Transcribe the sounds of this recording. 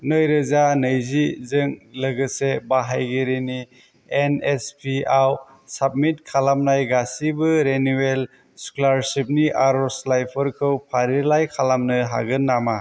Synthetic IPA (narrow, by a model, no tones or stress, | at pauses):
nɯjɾɯzanɯjzizɯŋlɯɡɯsebaɦajɡiɾini | enespʰiaw | sab̚mitkʰalamnajɡasibɯɾenuel | skolaɾsip̚niʔaɾɔslajpʰɯɾkʰɯwpʰaɾilajkʰalamnɯɦa̰ɡɯnːama